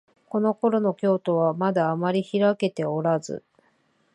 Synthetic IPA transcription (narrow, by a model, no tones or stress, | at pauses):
ko̞no̞ko̞ɾo̞no̞kʲo̞ːt̪o̞β̞amad̪aːmaɾʲiçiɾake̞t̪e̞o̞ɾazɨ̰